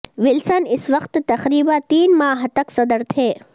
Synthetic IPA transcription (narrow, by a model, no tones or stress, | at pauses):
ʋɪlsɐnɪsʋɐqt̪ːɐxɾiːbãt̪iːnmaːɦt̪ɐksɐd̪əɾt̪ʰeː